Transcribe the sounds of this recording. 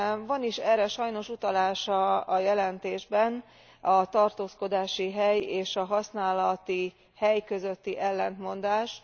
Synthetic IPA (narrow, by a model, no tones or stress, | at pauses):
vɒniʃɛːɾɛʃɒjno̞ʃut̪ɒlaːʃɒːjɛlɛnt̪eːʒbɛn | ɒt̪ɒrt̪oːsko̞d̪aːʃiɦɛjeːʃɒɦɒsnaːlɒt̪i | hɛjkø̞zø̞t̪ːiʔɛlːɛnt̪mo̞nd̪aːʃ